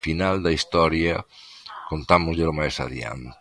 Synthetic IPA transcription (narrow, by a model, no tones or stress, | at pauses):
finald̪ɐist̪ɔɾjɐkont̪amozʎelomajsa̰ðja̰nt̪